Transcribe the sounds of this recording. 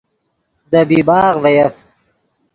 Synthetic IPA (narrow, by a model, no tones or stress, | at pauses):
d̪əbiːbɑːɣvɐjɐf